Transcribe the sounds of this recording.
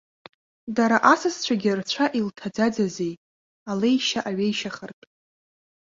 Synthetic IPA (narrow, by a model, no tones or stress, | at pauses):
daɾaʔasɨst͡ɕʷʰaɡʲɪrt͡ɕʷʰaʔiltʰad͡zad͡zazej | alejʃaʔaɥejʃaχərtʼ